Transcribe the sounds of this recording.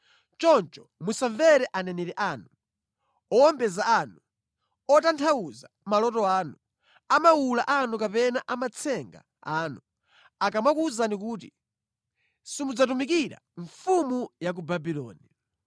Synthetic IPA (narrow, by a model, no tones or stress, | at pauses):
t͡ʃɔnt͡ʃɔ̥musaɱvɛɾɛʔanɛnɛɾɛʔaːnu | ɔwɔmbɛzaːnu | ɔtantʰawuza | malɔtɔaːnu | amawulaʔanukapɛnaʔamat͡sʰɛŋɡa̰ | aːnu | akamakuːzanik̬uːt̬i | simud͡zatumikiɾa̰ɱfumujak̬ubabilɔ̰ːni